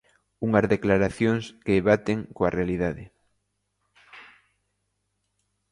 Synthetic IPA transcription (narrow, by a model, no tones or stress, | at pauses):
uŋɐzðeklaɾaθjoŋskeeβat̪eŋkoarealiðaðɪ